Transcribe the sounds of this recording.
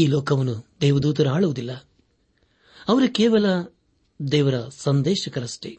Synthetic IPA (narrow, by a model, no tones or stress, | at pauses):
iːlɔːkɐʋɐnːud̪ɛːʋɐd̪uːt̪̬ɐɾaːɭuʋud̪ilːɐ | ɐʋɐɾukeːʋɐlɐ | d̪ɛːʋɐɾɐsɐnd̪ɛːʃɐkɐɾɐsʈe